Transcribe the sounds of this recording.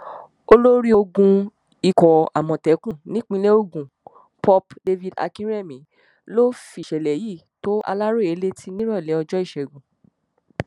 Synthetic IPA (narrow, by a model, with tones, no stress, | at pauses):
o˧lo˦ɾi˦o˧ɡũ˧ | i˨kɔ˨a̰˨mɔ̃˨tɛ˨˦kũ˦˨nĩ˨˦k͡pĩ˧˦le˦o˦˨ɡũ˨ | pɔ˧pde˧vi˧da̰˧kĩ˦ɾɛ˦˨mĩ˨˦ | lo˦fi˨ʃɛ˨lɛ˨ji˦˨ | to˦a̰˧la˦ɾo˦˨e˨˦le˦ti˦nĩ˦ɾɔ̃˦˨lɛ˨˦ɔ˧d͡ʒɔ˦i˦˨ʃɛ˨ɡũ˨